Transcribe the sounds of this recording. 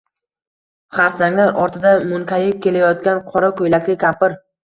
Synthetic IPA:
χaɾsaŋlaɾʔɒɾt̪ʰɪd̪amʊŋkʲajɪp̚kʲʰe̞lajɒt̪̚kʲanqʰɒɾakʰɵjlakʲlɪkʲʰapɪɾ

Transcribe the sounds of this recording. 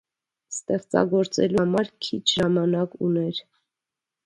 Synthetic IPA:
st̪ɛχt͡sɑ̰ɡɔɾt͡sɛ̰lumɑɾkʰit͡ʃʰʒɑmɑnɑkunɛɾ

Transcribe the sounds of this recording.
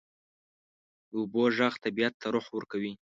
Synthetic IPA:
d̪əuboʒaxt̪abijat̪ːaɾʊħwəɾkawi

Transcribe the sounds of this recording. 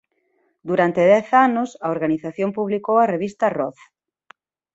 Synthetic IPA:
d̪uɾant̪eðɛθanʊsɐoɾɣaniθaθjompuβlikowɐreβist̪ɐrɔθ

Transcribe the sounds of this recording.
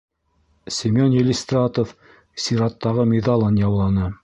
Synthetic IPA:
sʲimʲonjelʲist̪rat̪of | sʲiɾɑt̪ːɑʁɤmʲed̪ɑlˠɤnjɑwlˠɑnɤ

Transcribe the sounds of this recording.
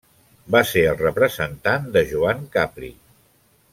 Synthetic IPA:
baseɾəlˠrəpɾəzənt̪and̪əʒuaŋkapɾḭ

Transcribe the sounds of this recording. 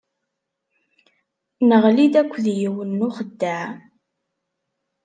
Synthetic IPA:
nəʁlid̪ækʷːðjəwənːʊχəd̪ːaʕ

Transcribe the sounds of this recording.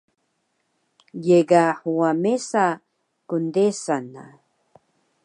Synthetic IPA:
jeɡaħuamesa | kundesana̰

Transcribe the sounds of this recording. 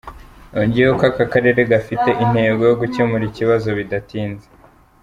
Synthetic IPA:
oɲɟiokakakaɾe̞ɾe̞ɡafite̞ʔin̥he̞ːbɡo̞jo̞ɡucemuɾiciβazo̞βidatiːnze̥

